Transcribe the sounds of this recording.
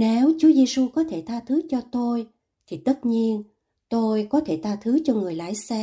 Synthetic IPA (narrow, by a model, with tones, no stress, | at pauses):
ne˨˦wt͡ɕu˨˦əze˧su˧kɔ˨˦t̪ʰe˧˩t̪ʰaː˧t̪ʰɨ˨˦t͡ɕɔ˧t̪o˧j | t̪ʰi˨˩t̪ə˦˥t̚ɲi˧ən | t̪o˧jkɔ˨˦t̪ʰe˧˩t̪ʰaː˧t̪ʰɨ˨˦t͡ɕɔ˧ŋɨ˨˩əjla̰ː˧˥˨jsɛ˧